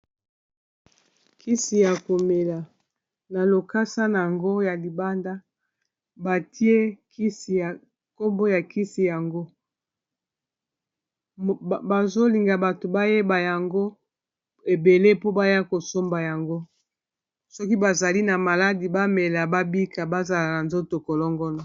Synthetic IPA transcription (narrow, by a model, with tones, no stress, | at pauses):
kʰi˦si˨ja˨ko˨me˨la˨ | na˨lo˨ka˦sa˦na˨ja˨ŋɡo˦ja˨li˨ba˦nda˦ | ba˨tʰi˦e˦ki˦si˨a˨ | ko˦mbo˦ja˨ki˦si˨ja˨ŋɡo˦˨ | ba˨zo˦li˨ŋɡa˨ba˨to˨ba˦je˦ba˨ja˨ŋɡo˦ | e˨be˨le˦po˦ba˦ja˦ko˨so˦mba˨ja˨ŋɡo˦ | sɔ˦ki˦ba˨za˨li˦na˨ma˨la˦di˨ba˦me˨la˨ba˦bi˦ka˨ba˦za˨la˨na˨nzo˦to˨kɔ˨lɔ˦ŋɡɔ˦nɔ˨